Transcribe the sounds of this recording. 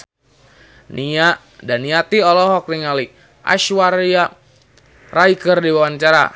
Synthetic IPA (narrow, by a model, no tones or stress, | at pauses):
nia | danːiat̪iɔlɔɦɔk̚niŋali | ʔa̰ʃwaɾia | raikərdiwawaɲt͡ʃaɾa̰